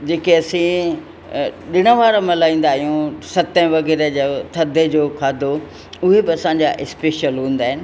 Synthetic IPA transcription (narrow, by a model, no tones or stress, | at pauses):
d͡ʑeːkeɐsĩ | ɗɪɽ̃ə̆ʋaːɾamɐlaːĩːn̆d̪aːijũsɐt̪ə̃ʋɐɣɛːɾed͡ʑat̪ʰɐd̪ʱed͡ʑoːkʰaːd̪ʱo | ʊɦebɪɐsãɲ̆d͡ʑaʔɪspeːʃəlɦũːn̆d̪aːɦɪnɪ̆